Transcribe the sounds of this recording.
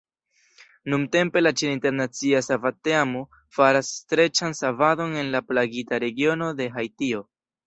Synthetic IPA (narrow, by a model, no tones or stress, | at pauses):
numte̞mpe̞lat͡ʃeninte̞ɾnat͡siasavateamo | faɾasːtɾe̞t͡ʃansavado̞ne̞nlaplaɡitaɾe̞ɡio̞no̞de̞ɦajtio̞